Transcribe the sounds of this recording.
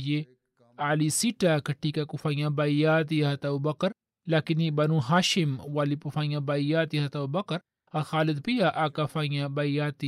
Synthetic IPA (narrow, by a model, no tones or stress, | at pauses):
je | aːlisiʈakɐʈʰːiːkakufaːjãbajaːt̪̬iːɦɐt̪aubɐkɐɾ | laːkinibɐnũːɦaːʃɪmwaːlipufãːjãbaijaːt̪iɦɐt̪abɐkɐɾ | ɐxaːlɪd̪pijaʔakafaːĩjãbaijaːt̪i